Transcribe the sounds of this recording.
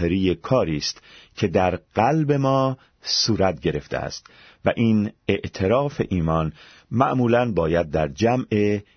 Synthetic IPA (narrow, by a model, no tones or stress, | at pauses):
eɾijekʰɒːɾiːst̪cʰe̞d̪æɾɢ̥ælbe̞mɒː | suːɾæt̪̚ɟe̞ɾe̞ft̪ḛæ̰st̪ | væ̰ʔiːne̞ʔt̪ʰe̞ɾɒːfe̞ʔiːmɒːn | mæʔmuːlænbɒːjæd̪̚ːæɾd͡ʒæme